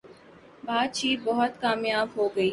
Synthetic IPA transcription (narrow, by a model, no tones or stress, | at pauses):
baːt̪̚t͡ʃiːbɐɦʊt̪kaːmjaːbɦoːɡəiː